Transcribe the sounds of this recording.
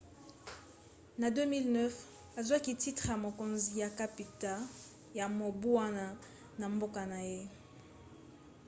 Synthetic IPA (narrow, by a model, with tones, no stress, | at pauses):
na˨dø˦mi˦lnɛ˦f | a˨za˦ki˨ti˦tʁe˨ja˨mo˨ko˨nzi˨ja˨ka˦pi˨ta˦ | ja˨mo˨bu˦wa˦na˨ | na˨mbo˦ka˨na˨je˦